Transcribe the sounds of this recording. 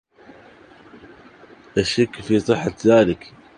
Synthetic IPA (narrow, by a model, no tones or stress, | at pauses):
ʔaʃakːfiːsˤɨħːaðaːlɪk